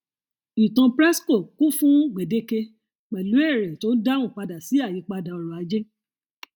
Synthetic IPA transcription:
i˨tã˧pɾɛ˦sko˦˨ku˦fũ˦ɡ͡be˨de˧˦ke˧ | k͡pɛ˨lu˨˦e˦˨ɾɛ˨to˨˦da˦ũ˦˨k͡pa˧da˨si˨˦a˦˨ji˨˧˦k͡pa˧da˨ɔ˧ɾɔ̃˨a˨˧˦d͡ʒe˦

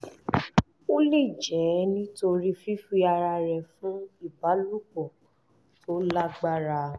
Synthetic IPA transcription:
o˦le˦˨d͡ʒɛ˨˦nĩ˦to˧ɾi˦fi˦fi˧a˧ɾa˧ɾɛ˨fũ˦i˦˨ba˨˦lu˦bɔ˨ | to˦la˦ɡ͡ba˦ɾa˧

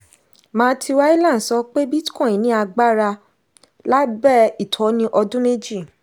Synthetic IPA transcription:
mãː˧˦tʰi˧wa˦i˦lã˦˨n̩˨sɔ˧˦k͡pe˦bi˦tkɔ̃˦˨ĩ˨nĩ˦a˧ɡ͡ba˦ɾa˧ | la˦bɛ˦i˦˨tʰɔ˨˦nĩ˦ʔɔ˧dũ˦me˦d͡ʒi˦˨

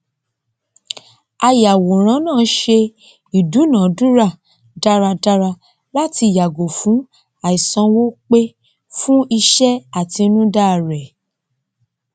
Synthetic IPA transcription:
a˧ja˨wo˨ɾ̃ã˨˦nãː˦˨˦ʃe˧ | i˨du˨˦nã˨˦du˦ɾa˦˨ | da˦ɾa˧da˦ɾa˧ | la˦ti˧˨ja˨ɡo˨fũ˨˦ | a˨i˨sã˧wo˦k͡pe˦ | fũ˦i˧ʃɛ˦a˨ti˧˦nũ˦da˦˨ɾɛ˨

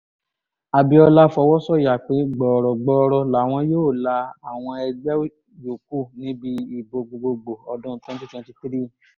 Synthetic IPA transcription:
a˨bi˧ɔ˧la˦fɔ˧wɔ˦sɔ˦˨ja˨k͡pe˨˦ɡ͡bɔ˨ɾɔ˨ɡ͡bɔ˧˦˧ɾɔ˧la˨w̃ɔ̃˧joː˦˨la˧a˨w̃ɔ̃˧ɛ˧d͡ʒɛ˦w | jo˨k̚u˦˨nĩ˨˦bi˧i˦˨bo˨ɡ͡bo˨ɡ͡bo˧ɡ͡bo˨ɔ˧dɔ̃˦˧twɛ̃˦n˦ti˦twɛ̃˧n˦ti˧ti˦ɾi˦

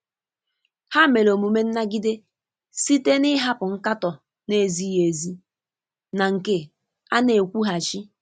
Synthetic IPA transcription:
ha˦˨me˨lo˨mu˨me˦n̩˦na˦ɡi˦de˦ | si˦te˦nɪ˦ɦa˦pʊ˨ŋ̩˦ka˦tɔ˨ | ne˨zi˦je˨zi˦ | na˨ŋ̩˨ke˦ | a˦ne˨kʷu˦ɦa˨t͡ʃi˦

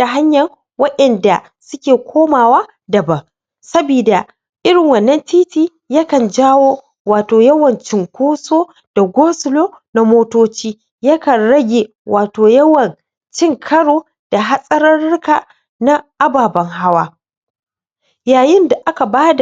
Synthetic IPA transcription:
a˨ɦa˦ɲjɐ˨ | wɐ˦ɗɛ˨nda˨ | sʊ˦kʲeː˨kʷʰoː˦maː˨waː˦ | dɐ˨bɐ˨ŋ | sɐ˦biː˨da˨ | ʔɪ˦ɾɪ˨ŋwɐ˨nːɐ˦ntiː˦tiː˨ | jɐ˦kɐ˨nd͡ʒaː˦woː˦ | waː˨toː˨jɐ˦wɐ˨nt͡ʃɪ˨ŋkʷoː˦soː˦ | d̥a˨ɡʷoː˦sɪ˦loː˦ | na˨moː˦toː˦t͡ʃiː˦ | jɐ˦kɐ˨nɽɐ˦ɡʲe˨ | wʔaː˨toː˨jɐ˦wɐ˨n | t͡ʃɪ˦ŋkʰɐ˦ɽoː˦ | d̥a˨ɦa˦sʼɐ˦ɾɐ˦nɽʊ˦kaː˨ | na˦ʔa˦baː˨bɐ˦ŋɦa˦waː˦ | jaː˨jɪ˦nda˨ʔa˦ka˨baː˦da˨

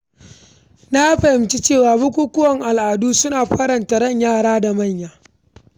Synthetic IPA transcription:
na˦a˦ɸɐ˨hɪ˨mt͡ʃi˦t͡ʃeː˦˨waː˨bʊ˦kʷuː˦kʷʊ˦wɐ˨ŋʔa˨lʔaː˨duː˦sʊ˦naː˨ɸɐ˦ɾɐ˨nta˨ɾɐ˦˨ɲjaː˦˨ɽaː˦da˨mɐ˦˨ɲjaː˨

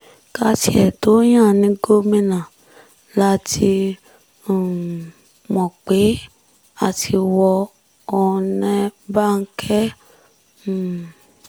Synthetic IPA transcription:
ka˧tḭ˧˨ɛ˨to˨˦j̃ã˦˨nĩ˨˦ɡo˦mĩ˧nã˨ | la˦tʰĩ˧˨ | mɔ̃˨k͡pe˨˦ | a˨tʰi˧wɔ˧ | ɔ˧nɛ̃˧ba˦˨ŋ̩˦kʰɛ˦˨

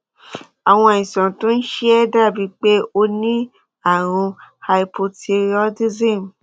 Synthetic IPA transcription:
a˨w̃ɔ̃˧˨ĩ˨sɔ̃˨tũ˦n̩˦ʃi˦ɛ˦da˦˨bi˧˦k͡pe˦o˧nĩ˦ | a˦˨ɾ̃ũ˧ha˧i˧pʰo˧te˧ɾi˦ɔ˧˦di˦zĩ˦˨m˨

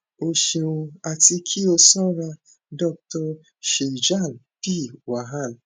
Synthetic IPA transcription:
o˨ʃe˨wu˧a˨ti˦kʰi˦o˧sɔ˦ɾa˧ | dɔ˦k̚tɔ˧ | ʃe˨d͡ʒa˦˨n˨pi˦˨wa˨ɦa˦˨n̩˨

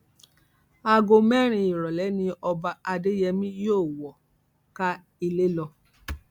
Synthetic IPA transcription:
a˧ɡo˧mɛ˦˨ɾ̃ĩ˧i˨ɾɔ˨lɛ˨˦nĩ˧ɔ˧ba˧a˧de˦jɛ˧mĩ˦joː˦˨wɔ˨ | ka˦ | i˧le˦lɔ˧

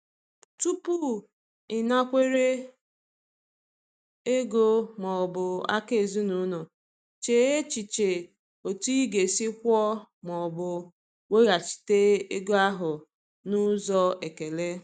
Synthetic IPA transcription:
tu˦pu˦ | ɪ˨na˦kʷe˦ɾe˦ | e˦ɡo˦mɔ˨bʊ˨a̰˦ke˨zu˦nu˨˦no˨ | t͡ʃe˨e˦t͡ʃi˨t͡ʃe˨ | o˨ti˦ɡe˨si˦kʷɔ˦mɔ˨bʊ˨ | we˦ɣa˨t͡ʃi̥˨te˦e˦ɡo˦a˦ɦʊ˨ | nʊ˦zɔ˦e˨ke˨le˦

